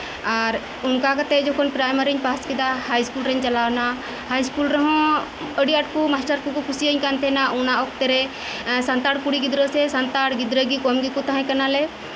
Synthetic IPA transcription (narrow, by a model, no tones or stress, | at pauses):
aɾ | ʊnkakat̪ɛd͡ʒɔkʰɔnpɾajməɾiɲpaskid̪ahajskulɾɛɲt͡ʃɐlawna | hajskulɾɔɦɔ̃ | əɖiəʈkumaɦt͡ʃaɾkukɔkʰusiəɲkant̪ʰɛnaunaɔk̚t̪ɛɾɛ | sant̪aɽkuɽiɡid̪ɾəsɛsant̪aɽɡid̪ɾəɡikɔmɡikut̪aɦãkanalɛ